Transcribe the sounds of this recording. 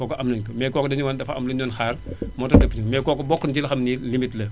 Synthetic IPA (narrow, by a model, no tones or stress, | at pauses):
kɔːkɐʔɐmnɐɲkɐmɛːkɔːkɔdɐɲuwɐndɐfɐɐ̰mlɐɲjɔːnxaːrmɔːtɐdəpːɲumɛːkɔːkɐbɔkːɐnd͡ʒilɐxɐmnilimitlɐ